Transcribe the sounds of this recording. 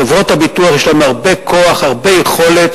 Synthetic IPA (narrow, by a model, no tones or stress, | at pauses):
evʁo̞thabituaχjeʃlamaʁbekʰoaχhaʁbejeχo̞le̞t